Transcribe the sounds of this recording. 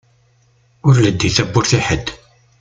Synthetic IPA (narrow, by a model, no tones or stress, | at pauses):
ʊɾləd̪ːiθæbːʊɾθiħəd̪